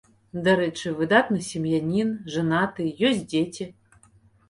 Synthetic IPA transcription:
d̪ɐɾɛt͡ʂɨvɨd̪at̪nɨsʲɪmjanʲinʐɐnat̪ɨjɔsʲt̚ʲdʲetʲi

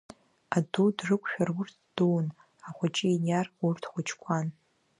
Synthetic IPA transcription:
adudrɨkʷʰʼʃᶣarʊrtʰd̥un | aχʷat͡ʃʼɪinjarurtʰχʷʊt͡ʃʰkʷʰan

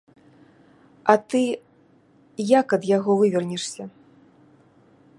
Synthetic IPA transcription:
ɐt̪ɨ | jakɐd̪jaɣɔvɨvʲɛrnʲɛʂsʲɐ

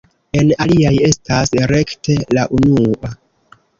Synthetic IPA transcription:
e̞naliaje̞stasɾe̞kte̞laʔunua

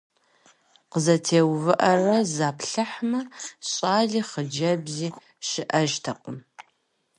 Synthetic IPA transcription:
qəzɐtʰeːwvɨʔɐrɐzaːpɬɐħmɐɕʼaːɮiːχəd͡ʒɐbziː | ʃɪʔɐʒtʰɐqʷʼʊm

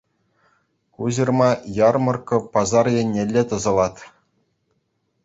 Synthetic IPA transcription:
kuʑɤ̆rmɑjɑrmɤ̆rkɤ̆pɑzɑrjĕnʲːelʲːet̪ɤ̆zɤ̆lˠɑt̪ʲ

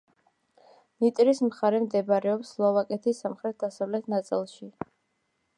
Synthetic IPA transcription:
nit̪ʼɾismχaɾɛmd̪ɛbɾɛɔpsːlˠɔvakʼɛt̪ʰisamχɾɛt̪̚ʰd̪asavlɛt̪ʰnat̪sʼilˠʃi

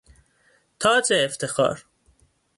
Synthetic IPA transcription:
t̪ʰɒːt͡ʃʰeːft̪ʰexɒ̰ːɾ

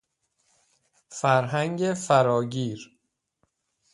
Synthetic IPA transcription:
fæɾɦæŋɟefæɾɒːɟiːɾ

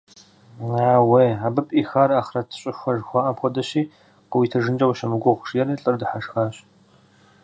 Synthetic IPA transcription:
aːwejaːbɨpʼiːxaːraːχrɐtʰɨ̥ɕʼɪʃʷɔʒxʷaːʔɐpxʷɔdɐɕiː | qəwiːtʰɨʒɨnd͡ʒʼɐwʃɐmɨɡʷɔʁʷʂjɛriɬʼɨrdɨħaʂxaːɕ

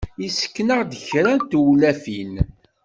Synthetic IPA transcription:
isə̥kːnəʁd̪əçɾænt̪wlæfin

